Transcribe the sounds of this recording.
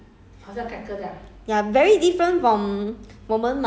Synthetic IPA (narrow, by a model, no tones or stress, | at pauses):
hasakɛkədɛjavɛɹidifɹə̃ntfɹɔ̃mwõmə̃nm